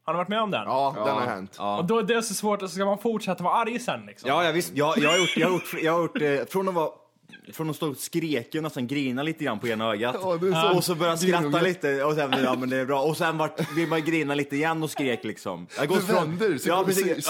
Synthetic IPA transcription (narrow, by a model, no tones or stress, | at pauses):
hanaɾvaʈmɛɔmd̪ɛ̰nɑːd̪ɛnhaɾhɛ̰nt̪ɑːɔd̪ɔd̪ɛɛsɔsvoːʈɔsɔskamanfʊʈʂɛt̪ːavaːaɾjsɛnːlɪksɔjɑːjɑvɪst̪jɑjɑːhaɾjʊʈːjɑːhaɾjʊʈːjɑːɡhaɾjʊʈːɛfɾɔnd̪ɔva | fɾɔnɔmst̪uːɡ̪skɾeːknɛsɛnɡɾiːnaliːt̪əɡɾanːpʰɔeːɡnaœːɡat̪ɔsɔbœɾjasɾat̪ːaliːt̪əɔsɛnjɑːmɛnd̪ɛːɾbɾɑːɔsɛnvaʈːblɪɾmajɡɾiːnaliːt̪əɪjɛnːɔskɾeːklɪksɔ̰maɡɔt̪ːfɾɔnjɑːpɾɛsiːs